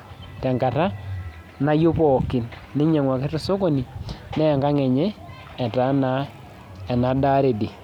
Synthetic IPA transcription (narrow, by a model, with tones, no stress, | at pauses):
tɛ˨ŋɡa˨ta˦ | na˦jo˦pɔ˨kɪ˨nː | ɪ˦ɲɛ˨ŋwa˨kɪ˦tʊ˦so˦ko˦˨ni˨nɛ˦˨ŋɡa˦ŋɛ˨ɲɛ˦ | ɛ˨ta˨˦na˦ | ɛ˨na˨da˦ɾe˨di˨